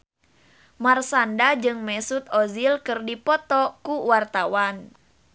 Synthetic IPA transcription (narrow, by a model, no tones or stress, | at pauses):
marsandad͡ʒɨŋmɛsut̪ɔzilkɨrdipɔt̪ɔkuwart̪awan